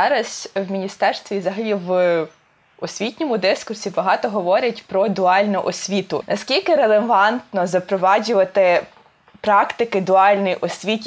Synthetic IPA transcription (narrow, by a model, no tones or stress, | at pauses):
ɑɾɐzʲwmʲinʲist̪ɛrst̪ʋʲizɐɦɐlʲiʋ | ɔsʲʋʲitʲnʲɔmʊd̪ɪskʊrsʲibɐɦɑt̪ɔɦɔʋɔɾʲɐtʲpɾɔd̪ʊɑlʲnʊʔɔsʲʋʲit̪ʊnɐskʲilʲkɪɾelˠeʋɑnt̪nɔzɐpɾɔʋɑd͡ʒʲʊʋɐt̪ɪ | pɾɑkt̪ɪkɪd̪ʊɑlʲnɪjʔɔsʲʋʲit̪